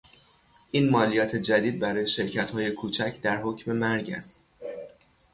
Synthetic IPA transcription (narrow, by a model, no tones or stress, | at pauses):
ʔiːnmɒːlijɒːt̪ʰe̞d͡ʒæd̪iːd̪̚bæɾɒːje̞ʃe̞ɾcʰæt̪hɒːje̞kʰuːt͡ʃʰæcʰd̪æɾɦocme̞mæɾɟæ̰st̪